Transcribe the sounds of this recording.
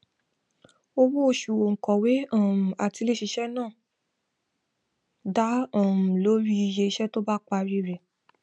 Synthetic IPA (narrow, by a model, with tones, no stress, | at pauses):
o˧wo˦o˧ʃu˨wo˨ŋ̩˨kɔ˨we˨˦ã˦˨m̩̃˨a˨ti˧le˦ʃi˧ʃɛ˦nãː˦˨ | da˨˦ɔ̃˨m̩˨lo˨˦ɾi˦i˧je˧ʃɛ˦to˦ba˦k͡pa˧ɾi˦ɾɛ˨